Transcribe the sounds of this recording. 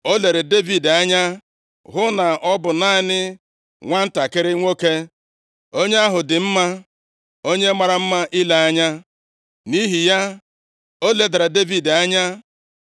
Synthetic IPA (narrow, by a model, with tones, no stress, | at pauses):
o˦le˨ɾe˨de˦vi˨da˦ɲa˦ | ɦʊ˦na˨ʔɔ˦bʊ˨na˦˨˦nɪ˦ | ŋʷa˦n̩˦ta˨kɪ˦ɾɪ˦ŋʷo˦ke˦ | o˦ɲe˦a˦ɦʊ˨dɪ˨m̩˦ma˦ | o˦ɲe˦ma˨ɾa˨m̩˦ma˦ʔɪ˦la˨a˦ɲa˦ | ni˦ɦi˨ja˦ | o˦le˨da˨ɾa˨de˦vi˨da˦ɲa˦